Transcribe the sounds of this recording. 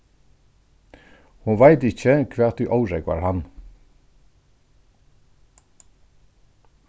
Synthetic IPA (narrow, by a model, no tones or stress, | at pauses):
hʊnʋaɪt̪ɪçəkʰʋɛːt̪̚d̪ʉːʔawɾɛkʋa̰ɹhan